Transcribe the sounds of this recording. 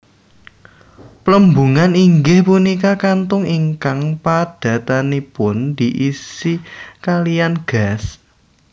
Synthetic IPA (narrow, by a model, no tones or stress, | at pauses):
pləmbuŋaniŋɡɪhpunikakant̪ʊŋiŋkaŋpad̥a̤t̪anipʊnd̪̥i̤ʔisikalijanɡ̥as